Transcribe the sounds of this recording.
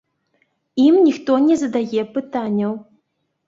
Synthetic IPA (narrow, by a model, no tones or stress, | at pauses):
imnʲixt̪ɔnʲɛzɐd̪ajɛpɨt̪anʲːɐw